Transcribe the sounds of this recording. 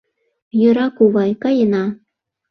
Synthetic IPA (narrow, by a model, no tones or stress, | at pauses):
jø̆ɾɑkuβɑjkɑjənɑ